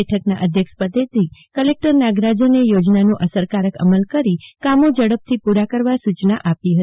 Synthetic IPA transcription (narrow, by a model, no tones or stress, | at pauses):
eʈʰəknaʔəd̪ʱjəkʃpəd̪et̪ɾikəlek̚ʈəɾnaɡɾad͡ʒənejod͡ʒnanoʔəsəɾkaɾəkə̰məlkəɾikamod͡ʒəɽəp̚t̪ʰipuɾakəɾʋasut͡ʃnaʔapiɦət̪i